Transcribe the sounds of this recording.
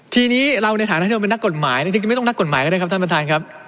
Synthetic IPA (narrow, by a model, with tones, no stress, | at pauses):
t̪ʰiː˧niː˦˥ɾa˧wna˧jt̪ʰaː˨˩˦nʰ˦˥iː˧e˧nː˦˥kːo˨˩t̪̚maː˩˦j̪a˥˩t͡ɕi˧t͡ɕi˧˥˩jt̪ŋna˦˥kːo˨˩t̚maː˩˦jkɔː˥˧˩ɯ˥˩ka˦˥t̪ʰa˥˩pɾa˧t̪ʰaː˧nkʰa˦˥p̚